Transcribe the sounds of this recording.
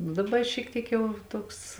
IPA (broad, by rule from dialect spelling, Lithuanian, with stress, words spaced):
nʊ dɐˈbɐ ɪ ʃʲiɛk ˈtʲiɛk ˈjɛʊ ˈtuɔks